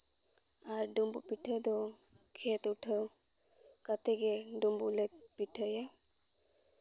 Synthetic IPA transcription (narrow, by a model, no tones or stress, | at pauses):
aɾɖumbupiʈʰəd̪ɔkʰet̪uʈʰəw | kat̪ɛɡɛɖumbulepiʈʰəja